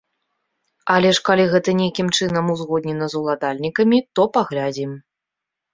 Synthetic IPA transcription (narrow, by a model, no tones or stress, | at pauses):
alʲɛʂkalʲiɣɛt̪ɐnʲejkʲimt͡ʂɨnɐmuzɣɔd̪̚nʲɛnɐzulˠad̪alʲnʲikɐmʲit̪ɔpaɣlʲad͡zʲim